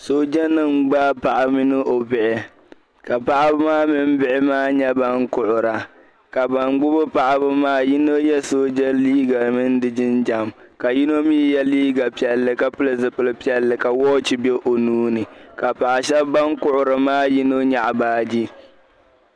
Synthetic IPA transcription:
so˦d͡ʒa˦nɨ˦ŋɡ͡ba˦pa˨ʔa˨mɪ˦nɨ˦ʔo˨bɪ˨ʔɪ˨ | ka˨pa˦ʔa˦bɨ˦maː˦mɪ˦m˦bɪ˦ʔɪ˦maː˦ɲɛ˦ba˦ŋkʊ˦˨ʔʊ˨ɾa˨ | ka˨ba˨ŋɡ͡bʊ˦bʊ˦pa˨ʔa˦bɨ˦maː˦ji˦no˦jɛ˦so˦d͡ʒa˦liː˦ɡa˨mɨ˦n˦dɨ˨d͡ʒɪ˦nd͡ʒa˨m | ka˨ji˦no˦mi˦jɛ˦liː˦ɡa˨pi˨ɛ˨lːɨ˨ka˦pɨ˦lɨ˨zɨ˨pɨ˨lɨ˦pi˦ɛ˦lːɨ˨ka˨wɔː˦t͡ʃi˦be˦ʔo˨nuː˦nɨ˨ka˨pa˨ʔa˨ʃɛ˦bba˦ŋkʊ˦ʔʊ˨ɾɨ˨maː˦ji˦no˦ɲa˨ʔa˨baː˦d͡ʒi˦

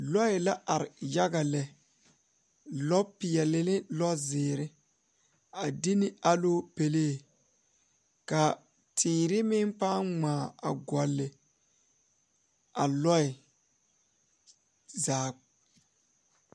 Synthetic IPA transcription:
lɔ˦ɪ˨la˦ʔa˨ɾɪ˨ja˦ɡa˨lɛ˨ | lɔ˦pːɪ˨ɛ˨lɪ˦lɪ˦lɔ˦zɪː˨ɾɪ˦ | a˨di˦nɪ˦a˦loː˦pe˨leː˦˨ | ka˨ | tʰiː˨ɾɪ˦mɪ˦npaː˦ŋ͡maː˨a˨ɡɔ˨lːɪ˨ | a˨lɔ˦ɪ˨ | zaː˨

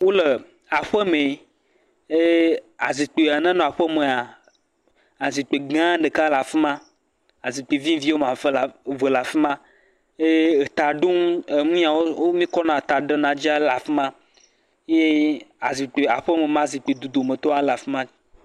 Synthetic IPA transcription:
wo˦lə˨ | a˨ɸə˦me˨ | e˦a˨zi˨k͡pe˨a˨nə̃˦nɔ̃˨a˨ɸə˦mẽ˨a˨ | a˨zi˨k͡pe˨ɡã˦ɖə˨ka˦la˨fi˦mã˦ | a˨zi˨k͡pe˨vĩ˦vi˦wo˦mã˨fə˦lvə˨la˨fi˦mã˦ | e˦e˨t̪a˨ɖo˦ŋ˦e˨ŋũ˦ã˨wo˦wo˦mĩ˦kɔ˦nã˨t̪a˨ɖə˦nã˨d͡ʒi˦a˦la˨fi˦mã˦ | je˦a˨zi˨k͡pe˨a˨ɸə˦me˨mã˦˨zi˨k͡pe˨d̪u˨d̪o˨mẽ˨t̪ɔ˦a˦la˨fi˦mã˦

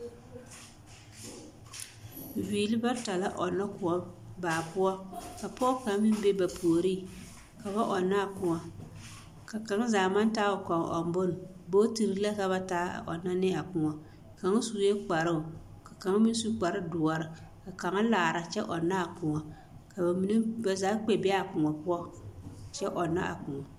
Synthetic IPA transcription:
viː˨lɨ˦ba˦ta˨la˦ʔɔ˨nːa˦kʊ˨ɔ˦baː˨pʊ˦ɔ˦ka˨pɔ˦ka˨˦mɪ˦m˦be˦ba˨pʰoː˨ɾi˦˨ | ka˨βa˦ʔɔ˨naː˦˨kʊ˨ŋa˨ | ka˨ka˨ŋ˦zaː˨ma˦n˦taː˦ʊ˨ka˨ŋ˨ʔɔ̰˨m˨bʊ˦n˨ | bo˦ti˨ɾi˨˦la˦ka˨βa˦ta̰ː˦˨ɔ̰˨nːa˦nɪ˦a˨kʊ˨ŋɔ˨ | ka˨ŋa˦suː˨˦e˦k͡pa˨ɾɨ˦ʊ˨ | ka˨ka˨ŋa˦mi˦n˦su˦k͡pa˨ɾɨ˦dʊ˨ɔ˨ɾɨ˨ka˨ka˨ŋa˦laː˨ɾa˨t͡ʃɛ˦ʔɔ˨nːa˦a˨kʊ˨ŋɔ˨ | ka˨ba˨mi˦ne˦ba˨zaː˨˦k͡pe˨bɛ˦a˨kʊ˨ŋɔ˨pʊ˦ɔ˦t͡ʃɛ˦ʔɔ˨nːa̰˦ʔa̰˨kʊ˨ŋɔ˨

